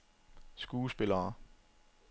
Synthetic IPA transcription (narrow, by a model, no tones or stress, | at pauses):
sɡ̥uːsb̥e̝lɐː